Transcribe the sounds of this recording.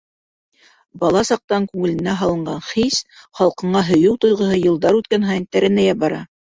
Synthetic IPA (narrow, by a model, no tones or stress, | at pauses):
bɑlˠɑsɑq̚t̪ɑŋkʉŋɘ̆lɘ̆næɦɑlˠɤ̆ɴɢɑɴχisχɑlˠqɤ̆ɴɑɦŏjɤwt̪ŏjʁɤ̆ɦɤjɤ̆lˠd̪ɑɾʉt̪̚kænɦɑjnt̪æɾɘ̆næjɑbɑɾɑ